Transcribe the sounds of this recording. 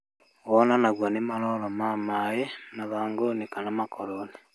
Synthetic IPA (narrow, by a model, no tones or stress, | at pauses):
ɔnanaɣwanemalɔlɔmamajenaβaːŋɡonekanamakʰɔɾɔlɛ